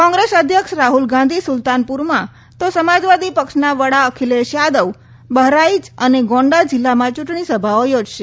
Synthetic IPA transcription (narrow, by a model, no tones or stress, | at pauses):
kɔ̃ŋɡɾesəd̪ʱjəkʃɾaɦulɡãnd̪ʱisʊlt̪anpuɾmã | t̪osəmad͡ʒʋad̪ipəkʃnaʋəɽaəkʰileʃjad̪əʋ | bəɦɾaid͡ʒəneɡɔ̃ɳɖad͡ʒɪlːamãt͡ʃʊʈɳ̃isəbʱaojod͡ʒʃe